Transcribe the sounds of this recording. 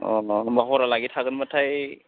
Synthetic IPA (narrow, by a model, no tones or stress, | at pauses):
baɦɔɾalaɡitʰakɯnmatʰaj